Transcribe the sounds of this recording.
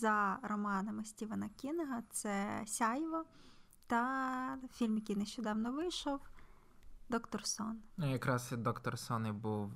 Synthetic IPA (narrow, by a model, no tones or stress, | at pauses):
zɐɾɔmɑnɐmɪsʲtʲiʋɐnɐkʲinɐɦɐt̪sɛsʲɑjʋɐ | t̪ɐ | fʲilʲmjɐkʲijnɛʃt͡ʃɔd̪ɑwnɔʋɪjʃɔw | d̪ɔkt̪ɔrsɔnjɐkɾɑsd̪ɔkt̪ɔrsɔnibuw